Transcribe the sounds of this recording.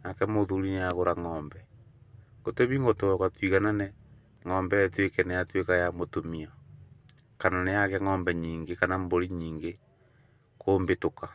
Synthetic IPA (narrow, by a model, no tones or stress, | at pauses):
nakɛmoðuɾineaɣoɾaŋɔːmbɛ | ɡotomiŋɡotoɔkatwiɣananɛ | ŋɔːmbɛtwekɛnejatwekajamotomia | kananejaɣɛŋɔːmbɛɲiːŋɡekanamboɾiɲiːŋɡe | koːmbetoka